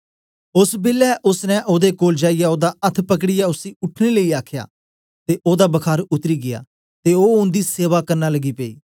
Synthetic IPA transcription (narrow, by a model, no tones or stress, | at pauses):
ʊsbɪlɛʔʊsnɛ̃ʔoːd̪ekoːld͡ʒaːɪjaoːd̪aɐt̪ʰpək̬ɽɪjaʊsiːʊʈʰneləiaːkʰja̰ː | t̪eːʔoːd̪aːbəkʰaːɾʊt̪ɾiːɡɪja̰ː | t̪eoːʊ̃nd̪iseːʋaːkɐɾnaːləɡiːpeḭː